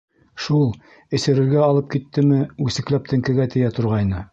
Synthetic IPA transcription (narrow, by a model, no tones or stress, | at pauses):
ʃulˠ | ɘ̆sɘ̆ɾɘ̆ɾɡæɒlˠɤp̚kit̪ːɘmɘʉsɘ̆klæp̚t̪ʰɘ̆ŋkɘ̆ɡæt̪ɘ̆jæt̪ŏɾʁɑjnɤ